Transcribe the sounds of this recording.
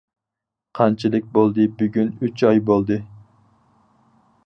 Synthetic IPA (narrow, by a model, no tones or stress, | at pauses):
qʰɑnt͡ʃʰilˠɨk̚ʲbolˠd̪ɨbyɡʲynyt͡ʃɑjbolˠd̪ɨ